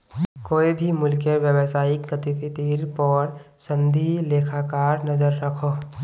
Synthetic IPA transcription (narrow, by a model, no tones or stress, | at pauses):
koːibʱimʊlkeʋjəwsaːɪkɡət̪ipʰit̪iɾpɔɾsə̃nd̪ʱileːkʰakaːɾnɐzəɾːɐkʰoː